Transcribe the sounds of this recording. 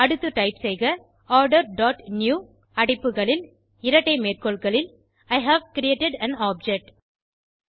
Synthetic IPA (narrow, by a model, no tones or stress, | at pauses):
ɐɽɯt̪ːɯʈɐɪpsɐɪɣɐ | ɔːɾɖɐɾɖɔːʈnjuː | ɐɽɪpːɯɣɐɭɪl | ɪɾɐʈːɐɪmeːrkoːɭɣɐɭɪl | ɐɪɦaːʋkɪɾɪeːʈɪɖɐnaːp̚d͡ʒɛk̚ʈ